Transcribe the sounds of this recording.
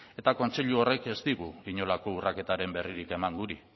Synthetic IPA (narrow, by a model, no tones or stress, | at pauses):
e̞t̪ako̞nt͡se̞ʎuo̞re̞ke̞zt̪iɣ̞uiɲo̞lako̞urake̞t̪aɾe̞mbe̞riɾike̞maŋɡuɾi